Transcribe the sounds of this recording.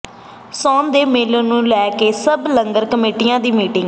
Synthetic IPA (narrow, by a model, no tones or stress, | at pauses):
sɔ̃ːnd̪eːmeːlõːnũːlɛːkeːsəbləŋɡəɾkəmeːʈijãːd̪iːmiːʈɪ̃ŋɡ